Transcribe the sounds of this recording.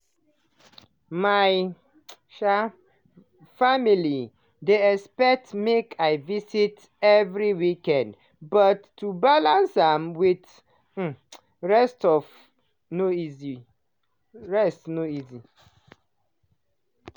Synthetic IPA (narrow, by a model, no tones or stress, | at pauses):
maj | ʃa | famili | deɛspɛk̚tmekʰaɪvisit | ɛvɹiwikɛ̃nd | bʌtːubalãnsãmwit̩ | ɹɛstɔf | noizi | ɹɛstnoizi